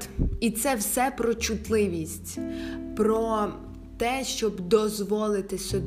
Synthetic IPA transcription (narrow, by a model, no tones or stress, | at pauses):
it̪sɛwsɛpɾɔt͡ʃʊt̪lˠɪʋʲisʲtʲpɾɔ | t̪ɛʃt͡ʃɔbd̪ɔzʋɔlˠɪt̪ɪsʲɔ